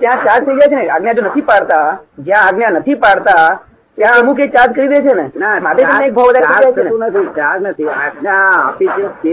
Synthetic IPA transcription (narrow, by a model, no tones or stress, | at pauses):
t̪jãt͡ʃãd͡ʒt̪ʰəid͡ʒajt͡ʃʰeneaɡnjad͡ʒonət̪ʰipaɽt̪ad͡ʒjãːɡnjanət̪ʰipaɽt̪a | t̪jãəmũkekt͡ʃãd͡ʒkəɾiɾəet͡ʃʰenenamaʈ̪eəmeek̚bʱaʋʋəd̪aɾɾʰid͡ʒajt͡ʃʰeneũnət̪ʰit͡ʃãd͡ʒnət̪ʰia̰naa̰pit͡ʃeke